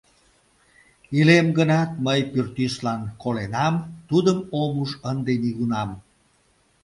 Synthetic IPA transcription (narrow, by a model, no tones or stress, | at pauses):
ilemɡənɑt̪̚məjpyrt̪yslɑnkolenɑmt̪ud̪əmomuʃənd̪eniɣunɑm